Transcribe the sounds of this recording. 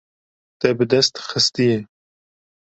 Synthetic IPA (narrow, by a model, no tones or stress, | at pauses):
t̪ɛbɨd̪ɛst̪xɨst̪ijɛ